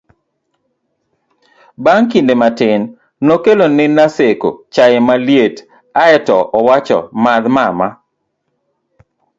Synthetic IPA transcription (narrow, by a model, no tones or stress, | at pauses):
baŋkindematɪnː | okelonɪnaseko̰t͡ʃajɪmaljet | aɛtɔʔɔwat͡ʃɔ̰mad̪mama